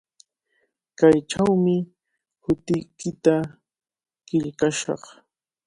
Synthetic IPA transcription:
kajʈ͡ʂawmɪ | hʊt̪ɪjkɪt̪a | kɪʎkaʃɑ̰χ

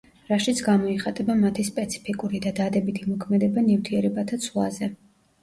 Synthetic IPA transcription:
ɾaʃit̪sʰɡamɔiχat̪ʼɛbamat̪ʰispʼɛt̪sʰi̥pʰikʼuɾid̪ad̪ad̪ɛbit̪ʰimɔkʰmɛd̪ɛbanift̪ʰiɛɾɛbat̪ʰat̪sʰvlˠa̰zɛ

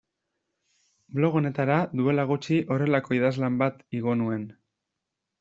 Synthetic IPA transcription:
blo̞ɣ̞o̞ne̞t̪aɾaðue̞laɣ̞ut͡ʃiʔo̞re̞lako̞iðazlambat̪iɣ̞o̞nue̞n

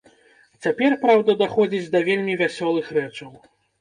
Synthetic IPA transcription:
t͡sʲapʲɛrpɾawd̪ɐd̪axɔd͡zʲid͡zʲd̪ɐvʲelʲmʲivʲasʲɔlˠɨxrɛt͡ʂɐw

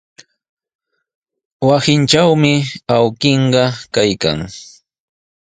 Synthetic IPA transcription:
wasɪnt͡ʃawmɪawkeɴɢɑkajka̰ŋ

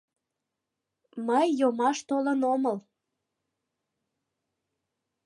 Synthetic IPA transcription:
məjːomɑʃt̪olənoməl

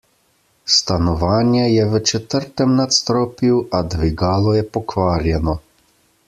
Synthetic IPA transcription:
st̪anɔʋaːnjɛjɛʋət͡ʃɛt̪əɾt̪ɛmnat̪st̪ɾɔːpjuwad̪ʋiɡaːlɔjɛpɔkʋaːɾjɛnɔ

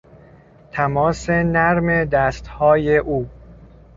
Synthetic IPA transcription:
t̪ʰæmɒːse̞næɾme̞d̪æːst̪hɒːje̞ʔuː

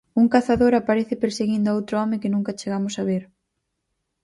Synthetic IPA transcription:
uŋkaθaðoɾapaɾeθɪpeɾseɣind̪ʊowt̪ɾʊɔmɪkɪnũŋkat͡ʃeɣamʊsaβeɾ

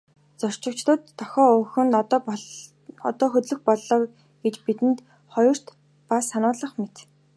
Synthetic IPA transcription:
t͡sɔr̥t͡ɕɪ̆kt͡ɕt̪ə̆t̪ʰːɔxʲɔːɵxɵ̆nt̪t̪ | ɔt̪ɔːxɵt̪ɮɵ̆xpɔɮɔːk | ɡ̥et͡ɕpit̪ɘ̆nt̪ | χɔjɞ̆r̥t̪ | pasanʊːɮə̆χmet̪

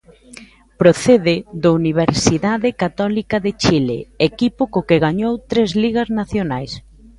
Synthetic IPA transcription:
pɾoθeðɪðauniβ̞eɾsiðaðɪkat̪ɔlikɐðɪt͡ʃilḛekipʊkokɪɣaɲowt̪ɾezliɣɐznaθjonajs

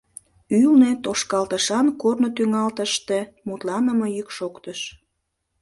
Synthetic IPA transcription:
ylnet̪oʃkɑlt̪əʃɑnkornot̪yŋɑlt̪əʃt̪e̽ | mut̪lɑnəməjykʃokt̪əʃ

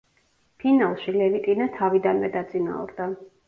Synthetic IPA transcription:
pʰinalˠʃilɛvit̪ʼinat̪ʰavid̪anvɛd̪at̪sʼina̰uɾd̪a

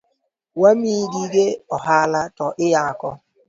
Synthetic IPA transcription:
wamiːdiɡeɔɦaalatɔʔɪjaakɔ

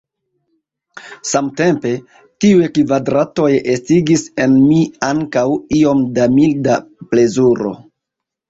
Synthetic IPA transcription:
samte̞mpe̞ | tiujekvadɾato̞jestiɡise̞nmiaŋkawio̞mdamildaple̞zuɾo̞̰

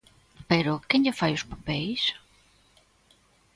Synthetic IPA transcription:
peɾʊkeŋʎɪfajʊspapɛjs

